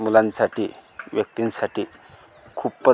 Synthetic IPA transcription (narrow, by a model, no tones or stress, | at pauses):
mulansaʈiːʋjək̚t̪insaʈʰiː | kʰuːppə